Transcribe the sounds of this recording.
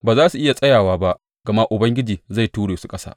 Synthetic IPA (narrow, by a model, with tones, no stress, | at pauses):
baː˨zaː˦su˨ʔɪ˦ja˨sʼɐ˦jaː˨waː˦ba˦ʔ | ɡɐ˨ma˦ʔʊ˨bɐ˦ŋɡʲɪ˦d͡ʒiː˨za˦˨jtuː˦ɽeː˨su˦kʼɐ˦sa̰ː˦